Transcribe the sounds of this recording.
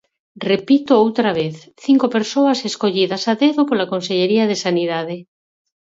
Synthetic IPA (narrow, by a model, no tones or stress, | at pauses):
repit̪oowt̪ɾaβeθ | θiŋkopeɾsoaseskoʎiðasaðeðopolakonseʎeɾiaðesaniðað̞e